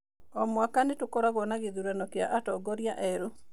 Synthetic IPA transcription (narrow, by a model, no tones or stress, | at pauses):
ɔmwakanetokɔɾaɣɔnaɣeðuɾanɔkea̰ʔatɔɡɔɾjaʔɛɾu